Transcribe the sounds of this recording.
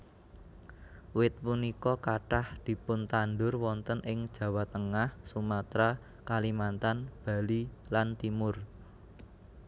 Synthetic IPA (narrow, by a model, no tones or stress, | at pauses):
wɪt̪̚punikɔkaʈahd̪̥i̤pʊnt̪anɖʊrwɔnt̪ənʔɪŋd̥ʒ̥ä̤wat̪əŋahsumat̪ɾa | kalimant̪anb̥ä̤lilant̪imʊr